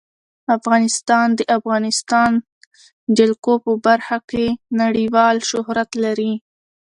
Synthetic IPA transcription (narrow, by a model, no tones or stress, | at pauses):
afɣɑnɪst̪ɑnd̪əʔafɣɑnɪst̪ɑn | d͡ʒɪlkopəbaɾxakenaɽiwɑlʃʊhɾat̪laɾi